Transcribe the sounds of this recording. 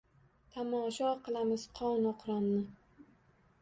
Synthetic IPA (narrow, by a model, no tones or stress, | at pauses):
t̪ʰamɒːʃɒqɨlˠamɪz̥qʰɒwnɒqʰɾamnɪ